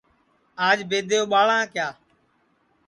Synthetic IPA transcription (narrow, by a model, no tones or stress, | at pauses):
aːd͡ʒbeːd̪ʱejoːɓaːɭãːkjaː